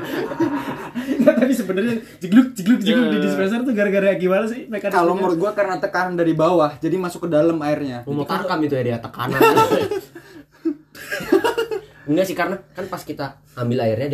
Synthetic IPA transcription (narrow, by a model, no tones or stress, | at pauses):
nat̪abis̬əbənərɲa | d͡ʒəɡlʊk̚d͡ʒəɡlʊk̚d͡ʒəɡlʊk̚didis̬pɛnsɔrt̪uŋɡaɾɡaɾaaɡimalas̬ɪhmekakalomuɾʊt̪̚ɡuakərnat̪əkanandaɾibawahd͡ʒadimasʊkːədaləmaɪrɲamomot̪arkamit̪ujadiat̪əka̰na | iŋɡasɪhkarnakanpaskit̪aː | mbɪlaɪrɲad